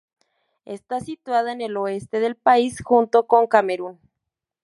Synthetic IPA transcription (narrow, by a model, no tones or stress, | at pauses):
e̞st̪asit̪waðaene̞lo̞e̞st̪e̞ð̞e̞lpaisxunt̪o̞ko̞ŋkame̞ɾun